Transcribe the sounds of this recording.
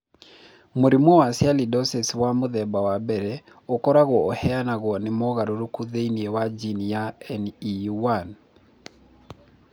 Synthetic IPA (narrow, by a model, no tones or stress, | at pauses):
moɾimwɔwasjalidɔsɛswamʊðɛbawabɛɾɛ | ɔkɔɾaɣɔːhɛanaɣɔnɪmɔɣaɾoɾukuðeiniewad͡ʒinijaɛniwan